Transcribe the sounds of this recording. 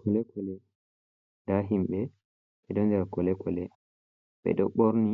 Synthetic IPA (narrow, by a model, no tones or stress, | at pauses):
kɔlɛkɔlɛ | daɦimɓɛ | ɓɛdɔndɛɾakɔlɛkɔlɛ | ɓɛ̰ɗɔɓɔɾni